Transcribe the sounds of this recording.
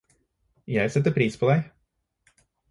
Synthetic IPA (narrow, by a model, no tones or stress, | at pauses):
jæɪsɛt̪ːəpʰɾiːspʰoːd̪æɪ